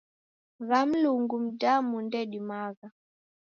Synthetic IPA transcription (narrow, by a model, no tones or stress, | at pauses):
ɣam̩luŋɡum̩damundɛɗimaɣa